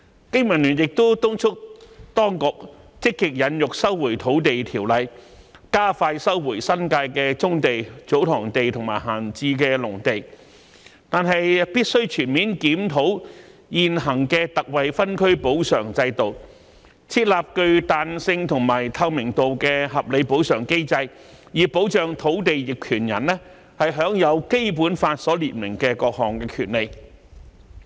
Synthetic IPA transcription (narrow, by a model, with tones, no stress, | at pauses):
kɪ˥ŋmɐ˨˩nlyː˨˩njɪ˨k̚t̪o˥wt̪ʊ˥ŋt͡ʃʰʊ˥k̚t̪ɔː˥ŋkʊ˨k̚t͡sɪ˥kːɪ˨k̚jɐ˨˧njʊ˨k̚sɐ˥wwuː˨˩jt̪ʰo˨˥wt̪e˨jt̪ʰiː˨˩wlɐ˨jkaː˥faː˧jsɐ˥wwuː˨˩jsɐ˥nkaː˧jkɛː˧t͡sʊ˥ŋt̪e˨jt͡so˨˥wt̪ʰɔː˨˩ŋt̪e˨jt̪ʰʊ˨˩ŋmaː˨˩jɦaː˨˩nt͡siː˧kɛː˧lʊ˨˩ŋt̪e˨˩j | t̪aː˨nɦɐ˨jpiː˥t̚sɵ˥ɥt͡ʃʰyː˨˩nmiː˨˥nkiː˨˥mt̪ʰo˨˥wjiː˨nɦɐ˨˩ŋkɛ˧t̪ɐ˨k̚wɐ˨jfɐ˥nkʰɵ˥ɥpo˨˥wsœ̰ː˨˩ŋt͡sɐ˧jt̪o˨˩w | t͡sʰiː˧˥t̚laː˨p̚kɵ˧ɥt̪aː˨nsɪ˧ŋt̪ʰʊ˨˩ŋmaː˨˩jt̪ʰɐ˧wmɪ˨˩ŋt̪o˨wkɛː˧ɦɐ˨p̚le˨˧jpo˨˥wsœː˨˩ŋke˥jt͡sɐ˧j | jiː˨˩po˨˥wt͡ʃœː˨ŋt̪ʰo˨˥wt̪̬e˨jjɪ˨k̚kʰyː˨˩njɐ̰˨˩nlɛː˥ | hɐ˨jɦœː˨˥ŋjɐ˨˧wke˥jp̬uː˨˥nfaː˧t̚sɔː˨˥liː˨t̚mɪ˨˩ŋkɛː˧kɔː˧k̚hɔː˨˩ŋkɛː˧kʰyː˨˩nle˨˧j